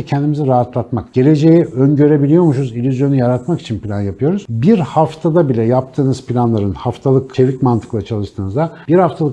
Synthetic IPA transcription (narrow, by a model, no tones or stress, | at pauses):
cʰɛnd̪imiziɾaɦat̪lˠat̪makɟ̥e̞lʲe̞d͡ʒe̞jiønɟø̞ɾe̞bilʲijo̞ɾmuʃuzilʲyzjo̞nujaɾat̪maki̥t͡ʃʰinpʰʲilʲanjapʰɯjo̞ɾuz̥biɾhaft̪ʰad̪abilʲɛjap̚t̪ʰɯːnɯz̥pʰilʲanlˠaɾɯnhaft̪ʰalˠɯkt͡ʃʰe̞vicmant̪ʰɯ̥klˠat͡ʃʰalˠɯʃt̪ʰɯːnɯzd̪ab̥iɾhaft̪ʰalˠɯk